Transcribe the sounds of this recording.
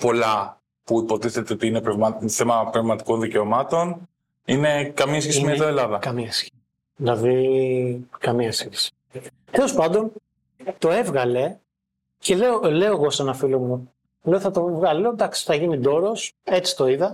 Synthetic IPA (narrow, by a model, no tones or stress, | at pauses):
po̞lɐ | puipo̞t̪iθe̞t̪eot̪iinepɾevmɐθe̞mɐpɾevmɐt̪i̥ko̞nðice̞omɐt̪o̞n | ine̞kɐmiɐs̬çesimet̪oelɐðɐkɐmiɐsçe̥ | ðilɐði | kɐmiɐsiθi̥si̥ | e̞lo̞spɐnd̪o̞n | t̪o̞e̞vɣɐle̞ | ce̞le̞ole̞o̞ɣo̞senɐfilomu | le̞oθɐt̪o̞vɣɐleod̪ɐksi̥θɐʝinid̪o̞ɾo̞se̞t͡si̥t̪o̞iðɐ